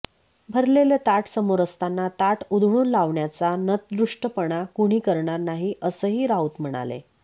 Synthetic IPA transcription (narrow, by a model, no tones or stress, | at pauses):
bʱəɾlelet̪aʈsəmoɾəst̪anːat̪aʈud̪ʱɽ̃uːnlaʋɳjat͡sanət̪̚d̪ɾuʂʈəpəɽ̃akuɽ̃iːkəɾɳaɾnaɦiːʔəsəːɦiːɾauːt̪m̤əɽ̃a̰lḛ